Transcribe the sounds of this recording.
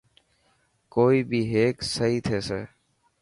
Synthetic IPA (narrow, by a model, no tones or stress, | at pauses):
koːiːbʱiːɦeːksəɦiːt̪ʰeːseː